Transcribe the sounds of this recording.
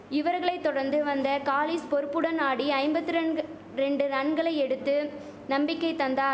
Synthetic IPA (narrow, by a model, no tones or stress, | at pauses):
ɪʋɐɾɣɐɭɐɪt̪ːɔɽɐɾnd̪ɯʋɐnd̪ɐkaːliːspɔɾɯpːɯɽɐnaːɽiɐɪmbɐt̪ːɯɾ | ɾɛɳɖɯnɐɳɡɐɭɐɪɛɽɯt̪ːɯ | nɐmbɪkːɐɪt̪ːɐnd̪aː